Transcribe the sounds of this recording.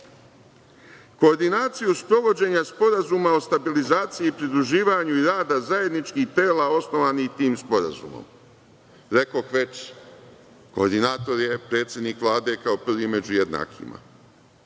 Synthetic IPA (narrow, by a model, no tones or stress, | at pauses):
ko̞ːɾd̪inaːt̪sijuspɾo̞ʋo̞d͡ʑe̞ɲaspo̞ɾazumao̞st̪abilizaːt̪sijiːpɾid̪ɾuʒiːʋaɲuiɾaːd̪azaje̞d̪nit͡ʃkiht̪e̞ːlao̞sno̞ʋaːnixt̪iːmspo̞ɾa̰zṵmo̰m | ɾe̞koxʋe̞t͡ɕ | ko̞ːɾd̪inaːt̪o̞ɾje̞pɾe̞ːt̪sʲje̞d̪niːkʋlˠaːd̪e̞kao̞pr̩ʋime̞d͡ʑuje̞d̪na̰ːkʰḭma̰